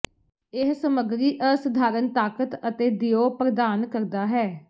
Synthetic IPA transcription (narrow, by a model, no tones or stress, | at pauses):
ɪɦsəməɡɾiːʔəsəd̪ʱaːɾənt̪aːkət̪ət̪eːd̪ɪjoːpɾəd̪aːnkəɾd̪aːɦɛː